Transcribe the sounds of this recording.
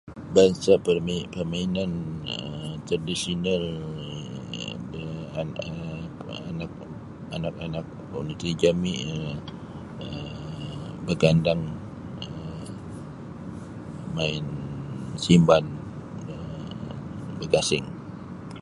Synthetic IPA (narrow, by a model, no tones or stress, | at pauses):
baŋsapəpərmainanət̪ɾaadisional | əanak̚ | anakanak̚ | onit̪ɾid͡ʒamiʔə | ə | bəɡandaŋ | ə | maɪnsimban | ə | bəkasɪŋ